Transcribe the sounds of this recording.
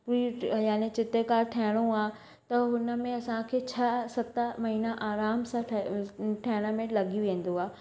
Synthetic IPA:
puːijaːnet͡ɕɪt̪ekaːɾʈʰɐːɦɪɽ̃õaː | t̪ɐɦʊnə̆mẽɐsãkʰeːt͡ɕʰɐsɐt̪amɐɦiːnaʔaːɾaːmsã | ʈʰaɦɪɽ̃əmẽlɐɡijũʋẽːn̆d̪oaː

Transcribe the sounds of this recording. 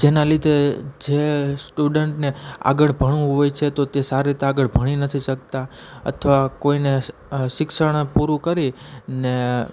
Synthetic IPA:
d͡ʒenalit̪ed͡ʒesʈuɖəɳʈnea̰ɡəɽbʱəɽ̃ũɦojt͡ʃʰet̪ot̪esaɾɾit̪eaɡəɭbʱəɽ̃inət̪ʰiʃək̚t̪aə̰t̪ʰəʋakoineʃɪkʃəɽ̃puɾũkəɾi | ne

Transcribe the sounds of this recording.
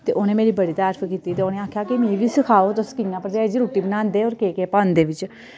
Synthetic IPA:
t̪eːʔoːnẽːmeːɾiːbəɽiːt̪aːɾfʰkiːt̪iːt̪eːoːnẽːaːkʰjaːkimĩːʋiːsɪkʰaːoːt̪ʊskɪ̃jãːpəɾd͡ʒaːd͡ʒiɾuːʈiːbənaːnd̪eːɔːɾkeːkeːpãːnd̪eːʋɪt͡ʃ

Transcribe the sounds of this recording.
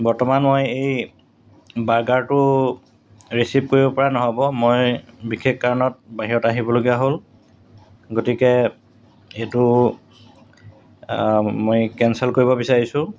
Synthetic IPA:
bɔɹtɔmanmojej | baɹɡaɹtʊ | ɹisip̚koɹibɔpɔɹanɔɦobɔmojbikʰekkaɹɔnɔt̚baɦiɹɔtaɦibɔloɡijaɦol | ɡotikɛ | etʊ | mojkɛnsɛlkoɹibɔbisaɹisʊ̃

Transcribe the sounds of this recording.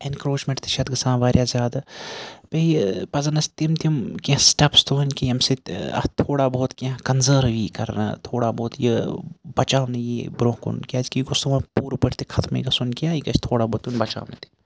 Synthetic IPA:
enkɾoːt͡ʃmẽɳʈt̪ʰi̥ʃɐt̪ɡɨsãːʋaːɾʲjaːzʲjaːd̪apɐipɐzɐnɐst̪imt̪ʰmkʲesʈɐpst̪ʰuɐnkijɐmseɐ̰t̪ʰoːɽaboːt̪kʲẽkɐnzəːɾʋiːkɐɾna̰t̪ʰoːɽaboːt̪jibɐt͡ʃaːʋnɐjibɾoːkṵnkʲɐd͡ʒkiɡʊst̪uʋɐ̃puːɾupɐɾt̪ʰikʰɐt̪mḛɡɐsunkjaːikɐt͡ʃt̪ʰoːɽaːbɔːt̪ːjunbɐt͡ʃa̰ːʋnɐ̰t̪ʰi̥

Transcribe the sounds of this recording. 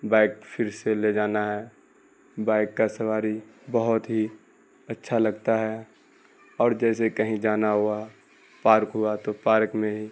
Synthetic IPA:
baːɪkfʰɪɾseled͡ʒaːnaɦɛ | baːɪkːasɐʋaːɾibəɦʊt̪ɦi | ɐtːʃʰalɐɡt̪aɦɛ | ɔːɾd͡ʒɛːsekɐɦĩd͡ʒaːnaɦua | paːɾkɦʊat̪opaːɾkmẽɦi

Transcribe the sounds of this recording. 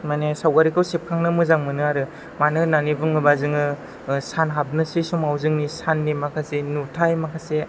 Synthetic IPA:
manesawɡaɾikʰɯwsep̚kʰaŋnɯmɯzaŋmɯnɯaɾɯ | manɯnanibɯŋɯbazɯŋɯ | sanɦab̚nɯsisumawzɯŋnisanːimakʰasenutʰajmakʰase

